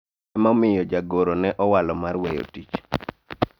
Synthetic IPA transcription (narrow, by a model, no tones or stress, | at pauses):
ɛmɔmɪjɔd͡ʒaɡoɾonɛʔɔwalɔmarwɛjo̰tit͡ʃ